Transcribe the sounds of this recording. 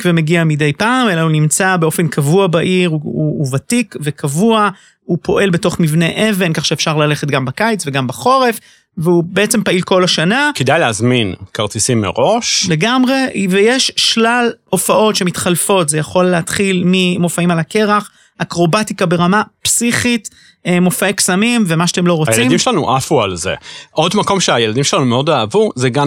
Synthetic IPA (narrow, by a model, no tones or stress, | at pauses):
kvemeɡiamide̞jpaːmelaunimt͡sabe̞o̞fe̞nkʰavuabaʔiʁuuvatikve̞kʰavua | upo̞ʔe̞lbe̞to̞χmivne̞ʔe̞ve̞nkaχʃeefʃaʁlale̞χet̪̚ɡambakajt͡sve̞ɡambaχo̞ʁe̞f | veubeet͡se̞mpailko̞laʃanakedajleazminkaʁt͡sisimːḛʁo̞ʃle̞ɡamʁe̞vejeʃʃlalo̞faʔo̞tʃe̞mit̪χalfo̞t̪zejaχo̞lːeat̪χilmimo̞faimalake̞ʁaχ | akʁo̞batikabe̞ʁamapsiχit | mofeksamimve̞maʃat̪emlo̞ʁot͡sajeaimdimʃelanṵʔafualzḛʔo̞dmako̞mʃeajeladimʃelanumeo̞daːvuzeɡa